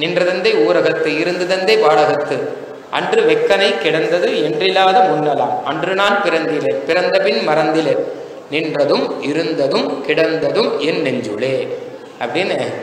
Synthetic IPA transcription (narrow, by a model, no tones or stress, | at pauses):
nɪndrɐðɐnd̪ɐɪuːɾɐɣɐt̪ːɯɪɾɯnd̪ɐðɐnd̪ɐɪpaːɽɐɣɐt̪ːɯ | ʔɐ̰ndrɯʋɛkːɐnɐɪkːɪɽɐnd̪ɐðɯɛndrɪlːaːðɐmʊnːɐla̰ːmɐndrɯnaːnpɪɾɐnd̪ɪleɾpɪɾɐnd̪ɐpɪnmɐɾɐnd̪ɪleɾ | nɪndrɐðɯmɪɾɯnd̪ɐðɯmkɪɽɐnd̪ɐðɯmɛnːɛɲd͡ʒɯɭeː | ɐpːɐɽɪnː